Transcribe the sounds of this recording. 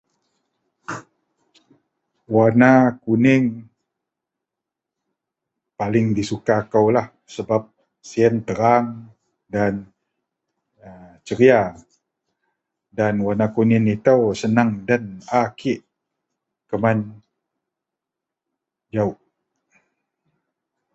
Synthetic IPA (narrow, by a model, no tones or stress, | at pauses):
wanakunɪŋ | palɪŋdisukakəwlah | səbap̚ | siənt̪əɾaŋ | dan | ət͡ʃəɾia | danwanakunɪnit̪əwsənaŋdanakʰiʔ | kəman | d͡ʒauʔ